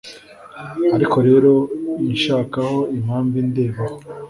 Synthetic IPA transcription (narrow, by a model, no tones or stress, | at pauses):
aɾikʰo̞ɾe̞ːɾo̞niʃaːkaho̞im̥haːɱvinde̞ːβaho